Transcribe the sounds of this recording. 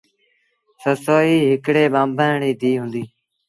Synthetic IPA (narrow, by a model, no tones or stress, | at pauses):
səsoːiːɦɪkɽeːɓãːmbaːɳiːd̪iːɦʊ̃ːnd̪iː